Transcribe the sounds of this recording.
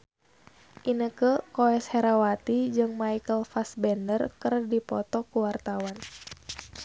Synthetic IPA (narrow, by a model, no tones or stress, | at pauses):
ʔinəkəkoɛshɛɾawat̪id͡ʒɨŋmaikəlfasbɛndərkərdipɔt̪ɔkuwart̪awan